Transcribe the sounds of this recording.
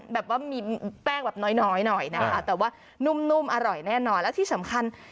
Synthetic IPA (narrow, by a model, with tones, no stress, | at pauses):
bɛː˨˩p̚waː˥˩miː˧pɛː˥˩ŋbɛː˨˩p̚nɔː˦˥jnɔː˦˥jnɔ˨˩jna˦˥kʰa˦˥t̪ɛː˨˩waː˥˩ | nu˧mnu˧˥mʔa˧ɾɔ˨˩jnɛː˥˩nɔː˧nlɛ˦˥t̪ʰiː˥˩sa˩˦mkʰa˧n